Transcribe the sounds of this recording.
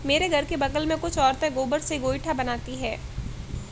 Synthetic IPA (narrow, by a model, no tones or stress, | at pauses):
meːɾeɡʱɐɾkebɐɡəlmẽkʊt͡ʃʰɔːɾt̪ẽɡoːbəɾseɡoːjʈʰabɐnaːt̪iɦɛː